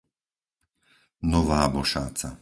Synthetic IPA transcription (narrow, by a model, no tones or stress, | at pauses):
nɔʋaːbɔʃaːt͡sa